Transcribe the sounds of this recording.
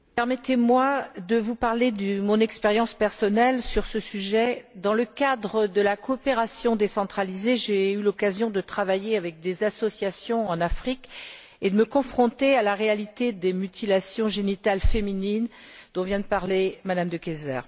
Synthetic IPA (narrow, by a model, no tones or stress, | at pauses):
pɛʁmɛt̪emwad̪əvupaʁled̪əmɔ̃nɛkspeʁjɑ̃spɛʁsɔnɛlsyʁsəsyʒɛd̪ɑ̃ləkad̪ʁəd̪əlakɔːpeʁasjɔ̃d̪esɑ̃t̪χalizeʒeylɔkazjɔ̃d̪ət̪χavajeavɛk̚d̪ezasɔsjasjɔ̃ɑ̃nafχik | ed̪əməkɔ̃fχɔ̃t̪ealaʁealit̪ed̪emyt̪ilasjɔ̃ʒenit̪alfeminind̪ɔ̃vjɛ̃d̪əpaʁlemad̪amd̪əkʲezɛ̰ːʁ